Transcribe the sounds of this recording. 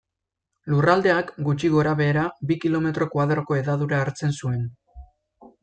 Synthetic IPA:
lurald̪e̞akɡut͡ʃiɣo̞ɾaβ̞e̞ːɾabikilo̞me̞t̪ɾo̞kwaðɾo̞ko̞e̞ðaðuɾaːɾt͡se̞nsue̞n

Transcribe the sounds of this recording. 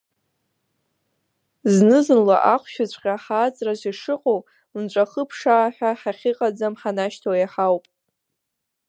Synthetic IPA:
znɨzɨnla̰ʔaqʷʰʃᶣʊt͡ɕʷʼqʲʼaħaːt͡sʼrazʷiʂɨqʼow | mnt͡ʃʷʼaχəpʰʂaːħʷᶣaħaχʲiqʼad͡zamħanaʃtʰowjaħawpʼ

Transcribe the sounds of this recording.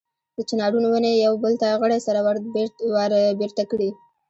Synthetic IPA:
d̪̥ət͡ʃɪnɑɖunowənejawbəlt̪aɣəɽasaɾawaɾwaɾbeɾt̪akɽi

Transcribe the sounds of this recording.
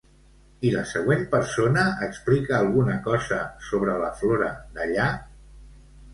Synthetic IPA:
iləsəɣ̞wenpəɾsonəːksplikəːlˠɣunəkɔzəsoβ̞ɾələfloɾəd̪əʎa

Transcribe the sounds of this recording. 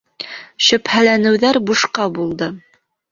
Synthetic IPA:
ʃɵ̆phælænɘ̆wðæɾbuʃqɑbulˠd̪ɤ

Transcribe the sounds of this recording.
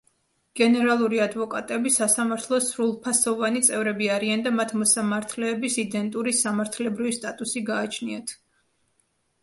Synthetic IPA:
ɡ̥ɛnɛɾalˠuɾiad̪vɔkʼa̰t̪ʼɛbisasamaɾt̪ʰlˠɔsɾulˠpʰasɔvanit̪sʼɛvɾɛbiaɾiand̪amat̪ʰmɔsamaɾt̪ʰlɛːbisid̪ɛnt̪ʼuɾisamaɾt̪ʰlɛbɾivist̪ʼat̪ʼusiɡaːt͡ʃʰniat̪ʰ

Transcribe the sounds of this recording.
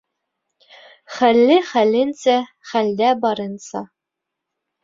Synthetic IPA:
χælːɘχælɘnsæ | χæld̪æbɑɾɤ̆nsɑ

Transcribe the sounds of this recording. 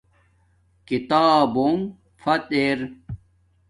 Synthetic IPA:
kit̪aːbom | fɐt̪eɾ

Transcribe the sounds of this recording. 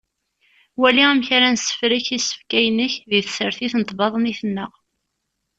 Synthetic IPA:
wæliæmçaɾænsə̥fɾiçisə̥fkæjnəçðiθəsəɾθiθnət̪ˤbɑðˤəniθənːəʁ

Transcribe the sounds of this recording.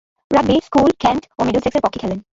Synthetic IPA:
ɹabiskulkʰɛnʈomeɖuseksepɔkʰːikʰɛlen

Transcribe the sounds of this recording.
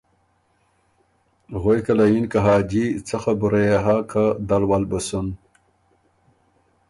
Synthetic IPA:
ɣojkɐlɐinkaɦaːd͡ʑit͡sʰɐxabuɾejeɦakʰad̪ɐlwalbɐsun

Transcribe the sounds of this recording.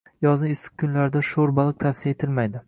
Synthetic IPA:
jɒznɪɪsɪ̥qkʰʊnlaɾd̪aʃoɾbalˠɨq̚t̪ʰafsijaet̪ʰɪlmajd̪ɪ

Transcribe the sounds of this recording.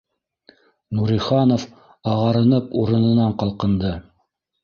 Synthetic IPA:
nuɾiχɑnof | ɑʁɑɾɤ̆nɤpuɾɤ̆nɤ̆nɑɴqɑlˠqɤ̆nd̪ɤ

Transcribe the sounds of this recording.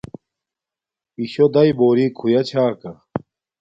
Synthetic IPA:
iɕod̪ɐjboːɾikʰujɐt͡ɕʰaːkɐ

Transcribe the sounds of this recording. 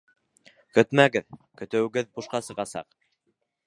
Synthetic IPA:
kɵt̪mæɡɘðkɵ̆t̪ɘ̆wɘ̆ɡɘðbuʃqɑsɤ̆ʁɑsɑ̰q

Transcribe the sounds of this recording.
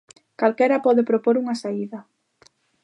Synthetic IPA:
kalkɛɾɐpɔðepɾopoɾuŋasaiðɐ

